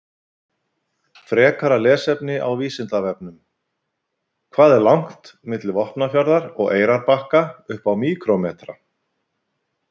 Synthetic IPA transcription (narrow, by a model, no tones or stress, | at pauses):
fɾɛːkaɾalɛːsɛpnɪʔa̰wviːsɪnt̪avɛpnʏm | kʰvaːðɛɾlawŋ̥t̪mɪt̪lɪvɔhpnafjaɾðaɾɔɣeːjɾaɾpahkaʏhpawmiːkɾɔmɛːt̪ɾa